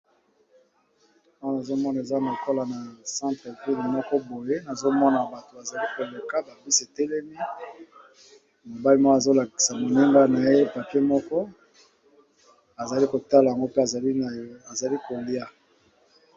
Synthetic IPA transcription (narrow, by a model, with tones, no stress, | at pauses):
a˦ɔ˦na˨zo˦mɔ˦na˨e˨za˦na˨ko˦la˨na˨sã˦ntʁe˨vi˦li˨mɔ˦kɔ˦bo˨je˦na˨zo˦mɔ˦na˨ba˨to˨a˨za˨li˦ko˨le˨ka˦ba˨bi˦se˨tɛ˦lɛ˦mi˦ | mo˨ba˦li˦mɔ˦a˨zo˦la˨ki˨sa˨mo˨ni˦ŋɡa˦na˨je˦pa˨ke˦mɔ˦kɔ˦ | a˨za˨li˦ko˨ta˦la˨ja˨ŋɡo˦pe˦a˨˦˨a˨za˨li˦ko˨li˦a˦